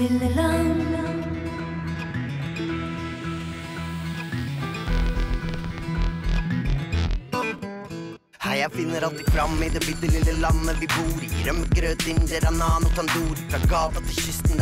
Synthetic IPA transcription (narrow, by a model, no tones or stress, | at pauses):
ɪləlɑnə | hæɪjæfɪnːəɾɑlt̪ɪ̥fɾɑmːɪd̪ɛbɪt̪ːəlɪlːəlɑnːəʋɪbuːɾḭɾœmːəɡɾøːt̪ɪnːjeɾɑnɑːnɔkʰɑnd̪uːɾəfɾɑɡɑːt̪ɑt̪ʰɪçʏst̪n̩